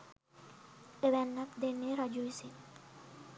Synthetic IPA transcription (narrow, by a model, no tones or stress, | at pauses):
eʋɛnːapd̪eneɾad͡ʒujsi